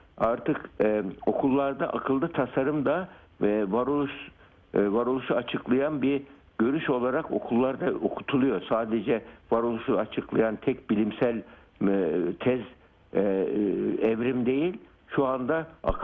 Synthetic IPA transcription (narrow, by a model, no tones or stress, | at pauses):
aɾt̪ɯko̞kʰulˠːaɾd̪aʔakʰɯlˠd̪ɯt̪ʰasaɾɯmd̪a | vaɾolˠuʃ | vaɾolˠuʃuat͡ʃʰɯklˠajanbiɾ | ɟ̥ø̞ɾyʃo̞lˠaɾako̞̰kʰulˠːaɾd̪aokʰu̥t̪ʰulˠujo̞ɾsaːd̪ɛd͡ʒɛvaɾolˠuʃuat͡ʃʰɯklˠajant̪ʰɛc̚bilʲimsælʲ | t̪ʰɛz | ɛvɾimd̪e̞jilʲ | ʃuand̪aa̰k